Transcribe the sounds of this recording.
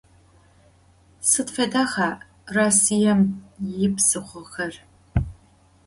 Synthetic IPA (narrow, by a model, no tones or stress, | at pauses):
sɨtfɐdaːχaː | raːsijɛmjɪpsɨχʷɔxɐr